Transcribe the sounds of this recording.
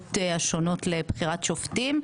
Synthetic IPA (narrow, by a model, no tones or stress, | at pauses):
taʃono̞tlebχiʁatʃoftim